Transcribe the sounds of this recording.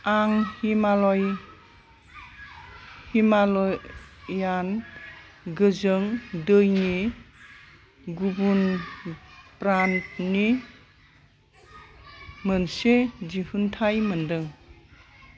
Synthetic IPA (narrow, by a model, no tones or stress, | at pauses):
aŋhimalɔj | himalɔː | an | ɡɯzɯŋdɯjni | ɡubun | pɾant̚ni | mənsed͡ʒihuntʰajməndɯŋ